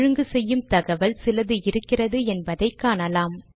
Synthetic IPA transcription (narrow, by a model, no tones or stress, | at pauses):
ɻɯŋɡɯsɛjːɯmt̪ɐɣɐʋɐlsɪlɐðɯɪɾɯkːɪrɐðɯɛnbɐðɐɪkːaːnɐlaːm